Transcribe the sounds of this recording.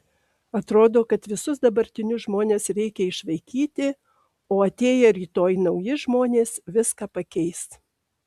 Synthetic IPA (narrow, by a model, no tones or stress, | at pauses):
ɐt̪ɾoːd̪oːkɐt̪ʋʲɪsʊsd̪ɐbɐɾʲt̪ʲɪnʲʊʒmoːnʲeːsɾʲɛɪkʲɛɪʃʋɐɪkʲiːt̪ʲɪ | oːɐt̪ʲeːjɛɾʲiːt̪oːjnɐʊjɪʒmoːnʲeːsʋʲɪskɑːpɐkʲɛɪst̪